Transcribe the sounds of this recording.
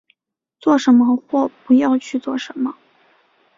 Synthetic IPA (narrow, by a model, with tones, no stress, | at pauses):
t͡swɔ˥˩ʂə˧˥nmə˧xwɔ˥˩pu˧˥jɑ˥˧ʊt͡ɕʰy˥˧t͡swɔ˥˩ʂə˧˥nmə˧